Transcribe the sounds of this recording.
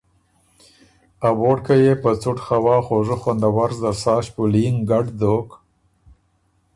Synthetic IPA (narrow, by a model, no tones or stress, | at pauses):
aboːɽkajepət͡sʊʈxawɑːxoʐəxwand̪awaɾzd̪asɑːʃpuliŋɡaɖd̪ok